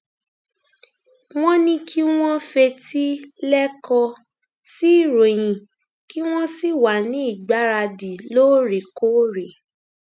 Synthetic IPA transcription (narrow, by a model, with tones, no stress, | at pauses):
w̃ɔ̃˦nĩ˧˦kʰi˦w̃ɔ̃˦fɛ˧ti˦lɛ˦kɔ˧ | si˦i˦˨ɾo˨j̃ĩ˨ | ki˦w̃ɔ̃˦si˦˨wa˨nĩ˨˦i˦˨ɡ͡ba˨˦ɾa˧di˨lo˦˨ɾe˨ko˦ɾe˨